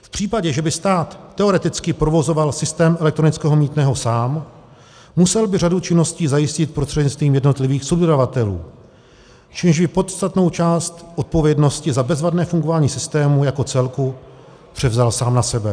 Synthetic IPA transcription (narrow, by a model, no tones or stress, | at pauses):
fpr̥iːpaɟɛʒɛbɪst̪aːt̪ːɛo̞ɾɛt̪ɪt͡skɪpɾo̞vo̞zo̞valsɪst̪ɛːmɛlɛk̚t̪ɾonɪt͡skɛːɦo̞miːt̪nɛːɦo̞saːmː | usɛlbɪr̝adut͡ʃɪnːo̞sciːzajɪscɪt̪̚pɾost̪r̥ɛd̪ɲɪt͡st̪viːmjɛdno̞t̪lɪviːxsobdodavat̪ɛlṵː | t͡ʃɛmʒbɪpo̞t̪st̪at̪no̞wt͡ʃaːst̪ʔot̪̚po̞vjɛdno̞scɪzabɛzvadnɛːfuŋɡovaːɲiːsɪst̪ɛːmujako̞t͡sɛlku | pr̝̥ɛvzalsaːmnasɛbɛ